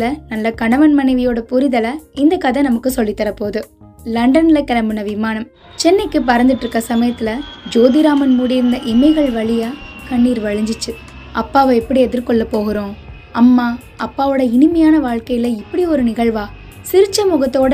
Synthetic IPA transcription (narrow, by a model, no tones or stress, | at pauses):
lɐnɐlːɐkɐɳɐʋɐnmɐnɐɪʋɪjoːɽɐpʊɾɪðɐlɐɪnd̪ɐkɐðɐnɐmɐkːɯsɔlːit̪ːɐɾɐpːoːðɯ | lɐɳɖɐnlɐkɛlɐmbɯnɐʋɪmaːnɐm | t͡ʃɛnːɐɪkːɯp̬ɐɾɐnd̪ɪʈːɾɯkːɐsɐmɐjɐt̪ːɪlɐd͡ʒoːðɪɾaːmɐnmuːɽɪɾɯnd̪ɐʔɪmɐɪɣɐɭʋɐɭɪjaːkɐɳːiːɾʋɐɻɯɲd͡ʒɪt͡ʃːɯ | ʔɐpːaːʋɐɛpːɐɽiɛðɪɾkɔɭːɐpːoːɣɪɾõː | ɐmːaː | ɐpːaːʋoːɽɐɪnɯmɐjaːnɐʋaːɭkɐjɪlɐɪpːɐɽiɔɾɯnɪɣɐɭʋaː | sɪɾɯt͡ʃːɐmʊɣɐt̪ːoːɽ